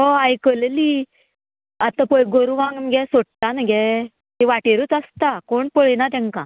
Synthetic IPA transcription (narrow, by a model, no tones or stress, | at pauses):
ɦoajkəlli | at̪ãpəjɡoɾuʋãŋɡnɡɛsoʈʈ̪anɡɛ | t̪iʋaʈeɾut͡sast̪akoɳpəɭinat̪̬ãŋkã